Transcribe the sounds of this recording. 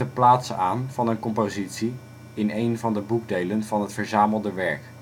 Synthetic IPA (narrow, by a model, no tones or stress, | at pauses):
əplaːtsəaːnv̥ɑnənkɔmpozitsi | ɪnejnvɑndəbuɡ̚dejlənvɑnɦətfəɹzaːməlˠdəʋɛɹk